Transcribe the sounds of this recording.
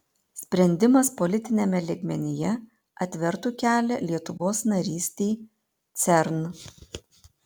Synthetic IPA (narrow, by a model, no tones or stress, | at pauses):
sʲpʲɾʲɛnʲd̪ʲɪmɐspɔlʲɪt̪ʲɪnʲeːmʲɛlʲeːɡmʲɛnʲɪjɛ | ɐt̪ʲʋʲɛɾt̪uːkʲæːlʲɛlʲiɛt̪ʊʋoːsnɐɾʲiːsʲt̪ʲeɪ | t̪sʲɛɾn